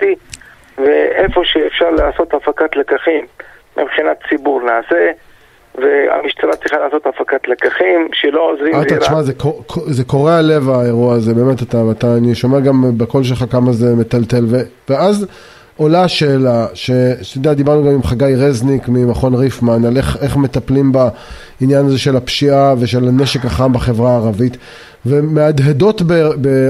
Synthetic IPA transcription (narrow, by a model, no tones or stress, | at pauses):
t̪i | veʔefo̞ʃeːfʃaʁleaso̞t̪afakat̪lekaχimː | ḭbχinatt͡sibuʁnaːse | vea̰miʃt͡salatt͡sʁiχaleːso̞tafakat̪lekaχimʃelo̞ozʁiaaɾt͡ʃmazekokʰozeko̞ʁeale̞vaeʁuaːzebe̞ːmet̪at̪aat̪aːniʃo̞meaɡambeko̞lʃ̬elχakamaze̞met̪alt̪e̞lveveaz | o̞laʃeːlaʃe̞t̪od̪ead̪ibaʁnuɡamimχaɡajʁeznikmimaχo̞nʁifmanaleχeχme̞t̪aplimba | injanaze̞ʃe̞lapʃiaveʃe̞lane̞ʃekaχanbaχe̞vʁaːʁavit | vemead̪ɦedo̞tbebe